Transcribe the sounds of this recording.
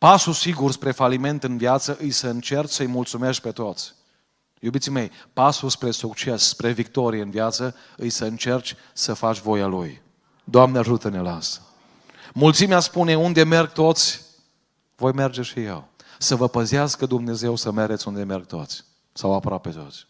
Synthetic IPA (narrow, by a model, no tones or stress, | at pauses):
pasusiɡurspɾe̞falime̞nt̪ɨnviat̪səʔɨjsəɨnt͡ʃe̞rt͡ʃʲsəɨjmult̪sume̞ʃt̪̚pe̞t̪o̞t̪sʲ | jubit̪sime̞jpasuspɾe̞sukt͡ʃe̞sspɾe̞vik̚t̪o̞ɾijeɨnviat̪sə | ɨjsəɨnt͡ʃe̞rt͡ʃʲ | səfat͡ʃʲvo̞jaluj | d̪oamneaʒut̪ənelas | mult̪simeaspune̞und̪e̞me̞rɡ̚t̪o̞t̪sʲ | vo̞jme̞rd͡ʒe̞ʃijḛw | səvəpəziaskəd̪umne̞ze̞wsəme̞ɾet̪sʲund̪e̞me̞rɡ̚t̪o̞̰t̪sʲ | sawapɾoape̞t̪o̞̰t̪sʲ